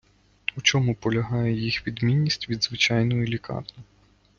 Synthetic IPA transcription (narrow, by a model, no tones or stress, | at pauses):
ut͡ʃɔmʊpɔlʲɐɦɑjɛjixʋʲid̪mʲinʲːisʲtʲʋʲid̪zʋɪt͡ʃɑjnɔjlʲikɑ̰rnɔ